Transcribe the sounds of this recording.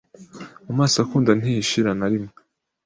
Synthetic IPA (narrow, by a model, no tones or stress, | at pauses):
mumaːsakuːndan̥iiʃiɾanaɾimŋe